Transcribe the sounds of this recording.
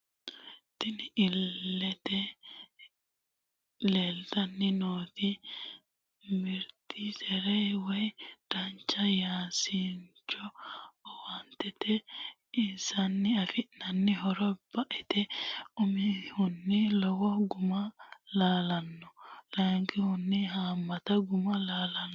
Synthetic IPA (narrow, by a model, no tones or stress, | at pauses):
t̪ɪnɪlːɛt̪ɛ | leːld̪ɐnːɪnoːt̪i | mɪɾt̪isɛɾɛjwɛjd̪̥ɐnt͡ʃːɐjaːsiɲt͡ʃːɔɔwɐnt̪ɛt̪ɛ | ɪnsɐnːɪɐfɪʔnɐnːɪɦɔɾɔb̥ɐʔɛt̪ɛʊmɪhʊnːɪlɔwɔɡʊmɐlaːlɐnːɔlɐŋɡɪhʊnːɪɦaːmːɐt̪ɐɡʊmɐlaːlɐnː